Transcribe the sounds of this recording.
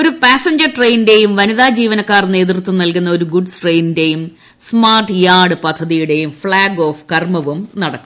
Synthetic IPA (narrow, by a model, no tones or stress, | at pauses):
o̞ɾupaːsɐɲd͡ʑɐrʈrejnde̞jumʋɐniðaːd͡ʑiːʋɐnɐkːaːrne̞ːt̪rut̪ːumnɐlkunːɐo̞ɾuɡuɖʈre̞jnde̞jum | smaːrʈːɨjaːɽɨpɐd̪ʱːɐðijuɽe̞jumfɭaːɡo̞ːfkɐrmɐʋumnɐɽɐkːum